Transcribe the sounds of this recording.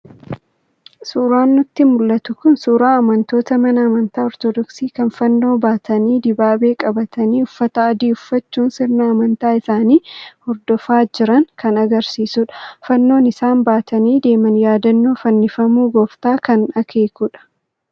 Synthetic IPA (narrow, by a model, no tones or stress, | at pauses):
suːɾaːnːʊt̪ːɪmʊlːɐt̪ʊkʊnsuːɾaːɐmɐnt̪o̞ːt̪ɐmɐnɐːmɐnt̪aːɔɾt̪ɔd̪ɔksiːkɐnfɐnːo̞ːbaːt̪ʰɐniːd̪ɪbaːbe̞ːkʼɐbɐt̪ʰɐniːʊfːɐt̪ɐɐd̪iːʊfːɐt͡ʃːuːnsɪɾnɐːmɐnt̪aːɪsaːniːhɔɾd̪ɔfaːd͡ʒɪɾɐŋkʰɐnɐɡɐɾsiːsʊᶑɐ̥fɐnːo̞ːnɪsaːnbaːt̪ɐniːd̪e̞ːmɐnjaːd̪ɐnːo̞ːfɐnːɪfɐmuːɡɔft̪aːkɐnɐkʰe̞ːkuːᶑɐ̥